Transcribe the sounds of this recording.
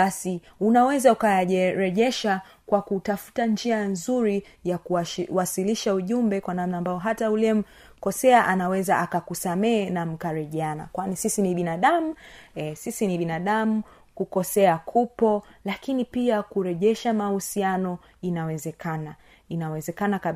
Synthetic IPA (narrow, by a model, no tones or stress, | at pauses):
ɓasi | unawɛzaukajaʄɛɾɛʄɛʃa | kwakutafu̥tand͡ʒianzuɾi | jakuwasiliʃauʄumbɛkwanamnaːmbaɔɦataulɛm̩ | kɔsɛaʔanawɛzaʔakakusamɛnam̩kaɾɛʄɛana̰kwanisisiniɓinaɗamuɛsisiniɓinaɗamu | kukɔsɛakʰupɔlakinipiakuɾɛʄɛʃamahusianɔ | inawɛzɛkʰana | inawɛzɛkanaka